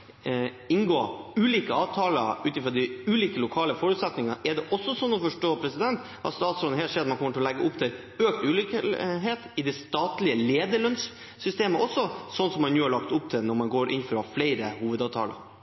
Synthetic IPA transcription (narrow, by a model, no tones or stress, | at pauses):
ɪnɡoːʉːliːkəɑːʋt̪ʰɑːləɾʉːt̪ɪfɾɔd̪ɪʉːliːkəlʊkʰɑːləfɔɾʉt̪sɛt̪nɪŋəʔɛɖɛʔɔsːɔsɔnːɔfɔʂʈoːpʰɾɛsɪd̪ɛnt̪ | ɑ̰st̪ɑːt̪sɔlɦɛːʂɛːd̪mɑnkɔmːəʈɪlɔlɛɡːəʊpt̪ʰɪl | øːk̚t̪ʉːlikɦeːt̪ɪd̪ɛst̪ɑːt̪lɪəleːd̪əɭœnsː | ʏst̪eːməʔɔsːɔsɔnːsɔmːɑnnuːhɑɭɑkt̪ʊp̚t̪ʰɪlnɔɾmɑnɡoːɾʔɪ̰nfɾɑflæɪɾəhuːʋəd̪ɑːʋt̪ʰɑ̰ːlə̰ɾ